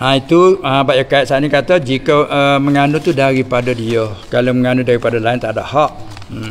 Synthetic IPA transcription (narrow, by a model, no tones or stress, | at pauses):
ʔãit̪uãbaʔjakaiʔ̪sanikat̪əd͡ʒikəəməŋanut̪udaɾipadədiəkalaməŋanudaɾipadalaɪnt̪ada̰ʔhaʔ̩̚